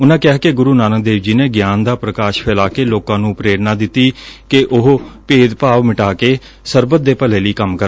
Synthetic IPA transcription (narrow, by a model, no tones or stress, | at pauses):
ʊnãːkɪaːkeɡʊɾuːnaːnəkd̪eːʋd͡ʒiːneːɡjaːnd̪aːpɾəkaːʃpʰɪlaːkeːloːkãːnũːpɾeːɾnãːd̪ɪt̪ːiːkeʔʊɦpeːd̪paːʋmɪʈaːkeː | səɾbət̪̚d̪eːpəleːliːkəmkəɾ